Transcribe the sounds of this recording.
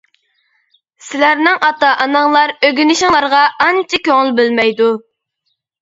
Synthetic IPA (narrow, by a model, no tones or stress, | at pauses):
sɪlæɾnɪŋʔɑt̪ɑʔɑnɑŋlˠɑɾøɡʲynɪʃɪŋlˠɑɾʁɑʔɑnt͡ʃʰɪkʲøŋɪlbɪlmɛjd̪u